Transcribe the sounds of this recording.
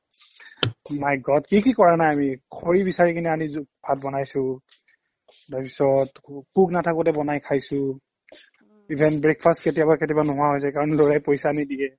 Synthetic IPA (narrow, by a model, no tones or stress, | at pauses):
majɡɔtkikikɔɹanajamikʰoɹibisaɹikiniamizbʱat̚bɔnajsʊ̃ | tapisɔtkuknatʰakʊtɛbɔnajkʰajsʊ̃ | ibʱɛnbɹek̚pʰastketijabaketibanʊɦʊaɦojs̬ɛkaɹɔnloɹajpojsanidiɛ